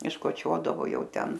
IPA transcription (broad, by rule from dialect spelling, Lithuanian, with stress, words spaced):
ɪʃkoːˈt͡ʃʲoːdɐʋoː ˈjɛʊ ˈtʲɛn